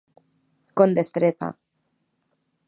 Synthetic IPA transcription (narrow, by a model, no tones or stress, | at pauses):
kond̪est̪ɾeθa̰